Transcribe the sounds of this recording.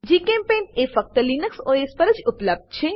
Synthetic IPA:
d͡ʒekẽmpẽnefək̚t̪əlinəksoespəɾəd͡ʒʊpləb̚d̪̚t͡ʃʰe

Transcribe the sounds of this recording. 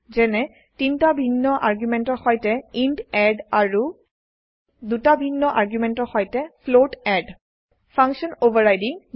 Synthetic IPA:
zɛnɛ | tintabʱinːɔʔaɹɡjumɛntɔɹxɔjtɛindɛɖaɹu | dutabʱinːɔʔaɹɡjumɛntɔɹxɔjtɛpʰloʈɛɖ | pʰaŋksɔnobaɹajdi

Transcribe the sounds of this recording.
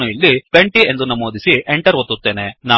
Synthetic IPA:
uilːipeɳʈie̞nd̪unɐmoːd̪isieɳʈɐɾɦot̪ːut̪ːe̞ːnenaː

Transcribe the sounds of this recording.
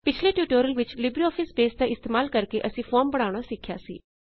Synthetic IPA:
pɪt͡ʃʰleʈjuːʈoːɾəlʋɪt͡ʃlɪbɾiɔːpʰɪsbeːsd̪aɪst̪eːmaːlkəɾkeʔəsĩfʰɔːɾmbəɽ̃aːʊɽ̃asɪkʰːja̰ːsḭː

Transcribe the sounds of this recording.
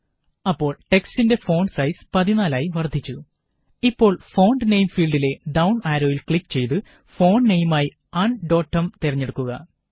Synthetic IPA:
ɐpːo̞ːɭʈe̞kstinde̞fo̞ːɳsɐjspɐðinaːlaːjiʋɐrd̪ʱːit͡ɕːu | ipːo̞ːɭfo̞ːɳɖne̞jmfiːlɖile̞ɖɐwɳaːɾo̞ːjilkɭikːt͡ɕe̞jt̪̬ɨ | fo̞ːɳnejmaːji | aɳɖo̞ːʈːɐmt̪irɐɲːe̞ɽukːuɣɐ̰

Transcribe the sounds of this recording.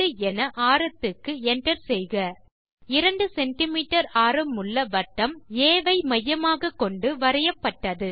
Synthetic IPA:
ɯɛnɐʔaːɾɐt̪ːɯkːɯɛɳʈɐɾsɛjɣɐ | ɪɾɐɳɖɯsɛɳʈɪmiːʈːɐɾaːɾɯmʊɭːɐʋɐʈːɐmeːʋɐɪmɐjːɐmaːɣɐkːɔɳɖɯʋɐɾɐjɐpːɐʈːɐðɯ

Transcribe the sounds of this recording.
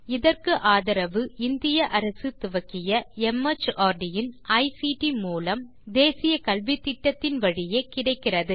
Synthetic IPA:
ɪðɐrkɯʔaːðɐɾɐʋɯɪnd̪ɪjɐʔɐɾɐsɯt̪ʊʋɐkɪjɐɛmːɐt͡ʃaːɾɖɪjɪnɐɪsiʈimuːlɐm | d̪eːsɪjɐkɐlʋɪt̪ːɪʈːɐt̪ːɪnʋɐɻɪjeːkɪɽɐɪkːɪrɐðɯ

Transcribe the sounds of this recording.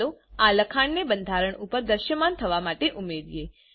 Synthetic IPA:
oaləkʰaɳnebənd̪ʱaɾəɳupəɾd̪əɾʃjəmant̪ʰəʋamaʈeʔumeɾije

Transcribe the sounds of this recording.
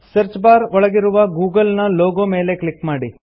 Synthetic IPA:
sɐɾt͡ʃbaːɾɔɭɐɡiɾuʋɐɡuːɡɐlnɐloːɡoːmeːlekɭikmaːɽi

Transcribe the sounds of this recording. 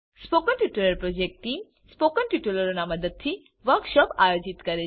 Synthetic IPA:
spokənʈjuʈuləɾpɾod͡ʑek̚ʈʈːim | spokənʈjuʈuloɾonamɐd̪əd̪̚t̪ʰi | ʋɐɾkʃɔpajod͡ʑit̪kɐɾe

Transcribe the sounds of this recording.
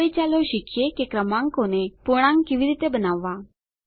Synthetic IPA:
it͡ɕaloɕikjekekɾəmãŋkoñepuɽ̃ãŋkkiʋiɾit̪ebənaʋːa

